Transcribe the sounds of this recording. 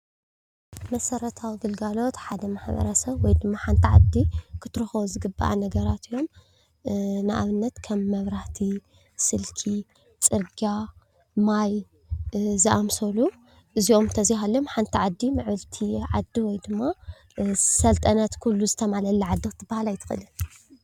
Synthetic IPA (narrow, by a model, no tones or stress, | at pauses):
mɐsɐɾɐt̪ʰawɡɨlɡalo̞t̪ħad̪ɐmaħbɐ̰ɾɐsɐβwɔjd̪ɨmːaħant̪ʰiʕa̰d̪ːikʰɨt̪ʰɨɾɨxɐβuzɨɡɨbːa̰ʔa̰nɐɡɐɾat̪ijo̞m | nɨʔa̰βɨnːɐt̪kʰɐmːɐβɾaht̪ʰi | sɨlkʰi | t͡sʼɨɾɡa | maj | zɨʔamsolu | ʔɨzio̞mt̪ʰɐziɦalːomħant̪ʰiʕad̪ːimɨʕβɨlt̪ʰiʕad̪ːiwɔjd̪ɨmːa | sɐlt̪ʼɐnɐt̪kʰulːuzɨt̪ʰɐmalɐlːiʕad̪ːikʰɨt̪ʰːɨbːahalajt̪ʰɨ̥xɨ̰lɨ